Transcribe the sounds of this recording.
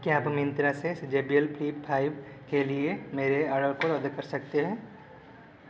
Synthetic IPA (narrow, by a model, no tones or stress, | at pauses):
kiaːpɦɐmɪ̃nt̪ɾaseɪsd͡ʒeːbijəlpliːppʰaːɪbkeliemeːɾeɐɽəɾkoɾɔːd̪ekɐɾsɐk̚t̪eɦɛ̃ː